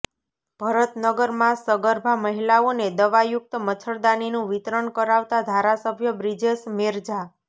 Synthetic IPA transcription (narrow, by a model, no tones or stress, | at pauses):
b̥ʱəɾət̪nəɡəɾmãsəɡəɾbʱaməɦilaoned̪əʋajʊk̚t̪əmət͡ʃʰəɾd̪aninũʋit̪ɾəɳkəɾaʋt̪ad̪ʱaɾasəbʱjəbɾid͡ʒesmeɾd͡ʒa